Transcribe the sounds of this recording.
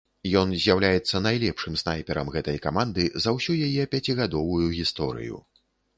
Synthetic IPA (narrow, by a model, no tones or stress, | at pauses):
jɔnzʲjawlʲajɛt̪sːɐnajlʲɛpʂɨmsnajpʲɛɾɐmɣɛt̪ɐjkamand̪ɨzɐwsʲujajɛpʲat͡sʲiɣad̪ɔvujuɣʲist̪ɔɾɨ̰jṵ